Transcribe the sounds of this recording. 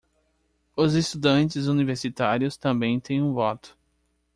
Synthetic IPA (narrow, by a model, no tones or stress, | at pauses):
ʊzest̪ud̪ɐ̃nt͡ʃɪzuniveɾsit̪aɾjʊst̪ɐ̃mbẽj̃t̪ẽj̃ũvɔt̪ʊ̥